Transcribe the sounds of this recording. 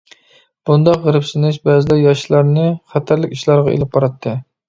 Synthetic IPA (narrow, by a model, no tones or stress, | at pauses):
b̥und̪ɑqʁəɾɨpsɪnɪʃbæzɪd̪ɛjɑʃlˠɑɾnɨχæt̪ʰæɾlɪkʲiʃlˠɑɾʁɑḛlɪp̚qʰɑɾɑt̪ʰːɨ